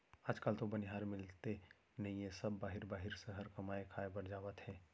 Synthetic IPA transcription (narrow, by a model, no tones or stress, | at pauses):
aːd͡ʒkaːlt̪obɐnɪɦaːɾmɪlt̪e | nɐĩjẽsɐbːaːɦɪɾbaːɦɪɾsəɦəɾkɐmaːekʰaːebɐɾd͡ʒaːʋət̪hɛ̃ː